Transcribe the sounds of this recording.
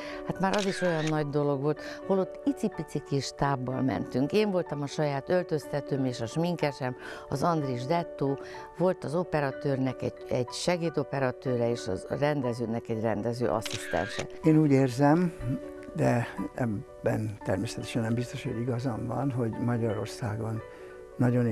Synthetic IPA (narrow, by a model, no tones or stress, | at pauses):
haːt̪maːɾʔɒziʃo̞jɒnːɒɟd̪o̞lo̞ɡʋolt̪holo̞t̪ːit̪sipit̪sikiʃt̪aːbːɒlmɛ̰nt̪yŋkeːɱvo̞lt̪ɒmɒʃɒjaːt̪ølt̪ø̞st̪ɛt̪øːmeːʃɒʃmiŋkɛʃɛmɒzɒnd̪riʒd̪ɛt̪ːoː | vo̞lt̪ɒzo̞pɛɾɒt̪øːrnɛkɛ | ɛɟʃɛɡeːd̪o̞pɛɾɒt̪øːɾɛeːʃɒ̰rɛnd̪ɛzøːnɛkɛɟrɛnd̪ɛzø̰ːʔɒ̰sist̪ɛ̰nʃɛ̰eːnuːɟeːrzɛm | d̪ɛɛbːɛnt̪ɛrmeːsɛt̪ɛ̥ʃɛnːɛmbist̪o̞ʃoɟiɡɒzɒɱvɒnɦo̞ɟmɒɟɒɾo̞rsaːɡonː | ɒɟo̞n